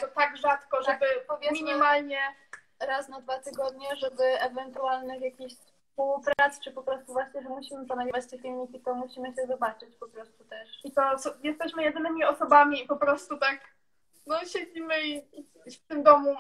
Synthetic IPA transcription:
t̪ɔt̪aɡʐat̪kɔʐɛbɘpɔvʲjɛmʲiɲimalɲɛ | ɾasnad̪vat̪ɘɡɔd̪̚ɲɛʐɛbɘʔɛvɛnt̪ualnɘxjakʲiɕss | pulpɾat̪st͡ʂɨpɔpɾɔst̪uvwaɕɲɛʐɛmuɕimɘpɔnaɡivat͡ɕt̪ɛkʲilɲikʲit̪ɔmuɕimɘɕɛzɔbat͡ʂɘt͡ɕpɔpɾɔst̪ut̪ɛʂit̪ɔsjɛst̪ɛɕmɘjɛd̪ɘnɘmʲiɔsɔbamʲiːpɔpɾɔst̪ut̪ak | nɔɕed͡ʑimɘi | ft̪ɘmd̪ɔmu

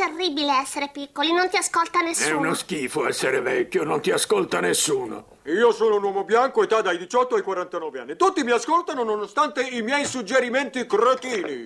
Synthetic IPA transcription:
t̪erːibileɛsːeɾepikkːolinont̪iaskolt̪anesɛunosk̟iːfoɛsːeɾevɛkʲːjonont̪iaskolt̪anesːuːno̰ | iːosoːnounwɔːmobjaŋkoet̪ːad̪ajd̪it͡ʃɔt̪ːoajkwaɾant̪anɔːveanːit̪ut̪ːimiaskolt̪anononost̪ant̪eimjɛjsud͡ʒːeɾimɛnt̪ikrot̪iːni

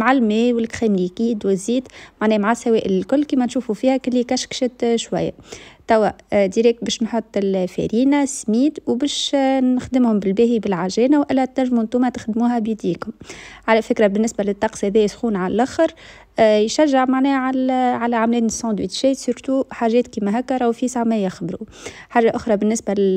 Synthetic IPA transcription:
maʕalmɛːjwɪlkxæːmlikiːd̪wɪzːiːd̪maʕnɛːmaʕasːæwɛːʔɪlkʊlːkiːmɛnʃuːfufiːhækɪlːikæʃkʃɪt̪ʃwæ̰jːæ̰t̪æwːæd̪iɾɛk̚bɛːʃnħot̪ˤːɪlfæ̰ɾiːnasmiːd̪wbɛːʃnɪxd̪ɪmhʊmbɪlbɛːɦibɪlʕaʒɛːnawʔɪlːæt̪næʒmhʊnt̪uːmæt̪ɪxd̪muːɦæbjid̪iːkhʊmʕalɛfɪkɾɑbɪnːɪsbælɪt̪ˤːɑqshæðiːsxuːnʕallʔæxəɾ | jʃæʒːɪʕmaʕnɛːʕalʕalæʕamlɛːnsɑ̃d̪wiːt̪ʃɛːt̪sʊɾt̪uħaːʒɛːt̪kiːmæɦækːɾˤɑwfiːsaʕmæjaxbɾuħaːʒːaʔʊxɾˤɑbɪnːɪsbælɪ

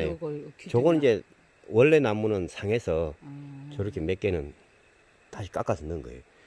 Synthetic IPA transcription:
et͡ɕoɡɯnid͡ʑe̞ | wʌɭːe̞namːunɯnsʰaŋe̞sʰʌt͡ɕʌɾɯkʰemek͈enɯn | taɕʰi̥k͈ak͈asʰɯnːɯnɡʌ̰ejo

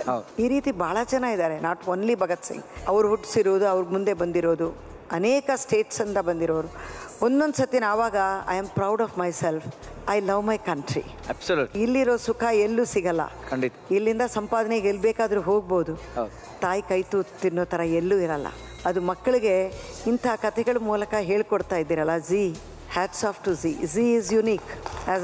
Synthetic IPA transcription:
ɐiːɾiːt̪ibaːɭɐt͡ʃɐnːaid̪aːɾe̞naːʈoːnlibʱɐɡɐt̪sḭŋɐʋɐɾuɦuʈːsiɾoːd̪uɐʋɐɾɡmund̪e̞bɐnd̪iɾoːd̪u | ɐneːkɐsʈeːʈsɐnd̪ɐbɐnd̪iɾoːʋɐɾuo̞nd̪o̞nd̪sɐt̪jɐnaːʋaːɡɐɐ̰jɐmpɾɐwɖɔːfmɐjselfɐjlɐʋmɐjkɐɳʈɾḭ | ɛpsɐluilːiɾoːsukʰɐelːuːsiɡɐlːɐ̰kʰɐɳɖit̪ilːind̪ɐsɐmpaːd̪ɐneɡelːbeːkaːd̪ɐɾuɦo̞ːɡ̚boːd̪uhɐ | t̪aːjikɐjt̪ut̪inːoːt̪ʰɐɾɐelːuːiɾɐlːɐ̰ | ɐd̪umɐkːɐɭiɡe̞ | int̪ʰɐːkɐt̪ʰɛɡɐɭumuːlɐkɐɦe̞ːɭkoɽt̪aːjd̪ːiːɾɐlːɐziː | haːɖsaːpʈuziziizjuniːkɛz

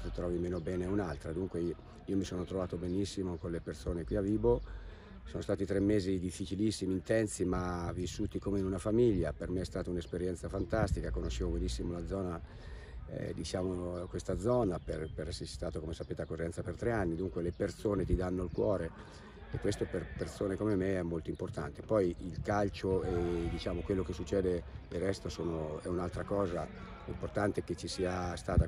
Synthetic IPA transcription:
t̪ut̪ɾɔːvimeːnobɛːneunalt̪ɾad̪uŋkwe | iːomisoːnot̪ɾovaːt̪obenisːimokonlepersoːnekwiaviːbo | soːnost̪aːt̪it̪ɾemːeːzid̪ifːit͡ʃilisːimiːnt̪ɛnsimavisːuːt̪ikomeinunafamiʎːapermeɛst̪aːt̪aunespeɾjɛnsafant̪ast̪ikakonoʃːeːvobenisːimolad̪zːɔːna̰ | d̪it͡ʃaːmokwest̪ad̪zɔːnaperpeɾɛsːest̪aːt̪okomesapeːt̪eakːorːɛnt̪sapert̪ɾeanːid̪uŋkwelepert̪soːnet̪id̪anːolkwɔːɾe | ekːwest̪operpersoːnekomemeɛmːolt̪oimport̪a̰nt̪epɔjilkalt͡ʃoed̪it͡ʃaːmokwelːokesːut͡ʃːɛːd̪ed̪erːɛst̪osoːnoɛunalt̪ɾakɔːza | import̪ant̪eket͡ʃːisiːast̪aːt̪a

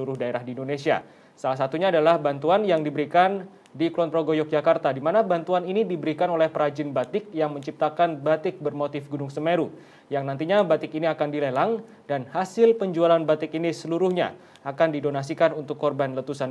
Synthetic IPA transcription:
uɾʊhdaeɾahdiindonesia̰ | salahs̬at̪uɲaːdalahbant̪uanjaŋdibəɾikan | diklɔnt̪ɾoɡojɔk̚d͡ʒakart̪adimanabant̪uaninidibəɾikanolɛhpəɾad͡ʒɪnbat̪ɪk̚jaŋməɲt͡ʃip̚t̪akanbat̪ɪk̚bərmot̪ɪfɡunʊŋsəmeɾu | jaŋnant̪iɲabat̪ɪkiniakandilelaŋ | danhasɪlpəɲd͡ʒualanbat̪ɪkinisəluɾʊhɲa̰ | akandidonas̬ikanunt̪ʊkːɔrbanlət̪usan

